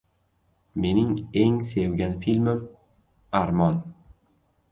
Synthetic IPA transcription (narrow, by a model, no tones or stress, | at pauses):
me̞nɪŋeŋsewɡʲanfilʲmɪm | aɾmɒn